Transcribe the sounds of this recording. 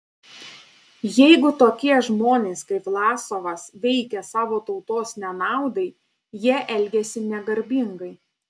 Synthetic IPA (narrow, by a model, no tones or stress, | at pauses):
jɛɪɡʊt̪oːkʲiɛʒmoːnʲeːskɐɪplˠɑːsoːʋɐsʋʲɛɪkʲɛsɑːʋoːt̪ɒʊt̪oːsnʲɛnɑˑʊd̪ɐɪ | jiɛʔɛlʲɡʲɛsʲɪnʲɛɡɐɾʲbʲɪŋɡɐɪ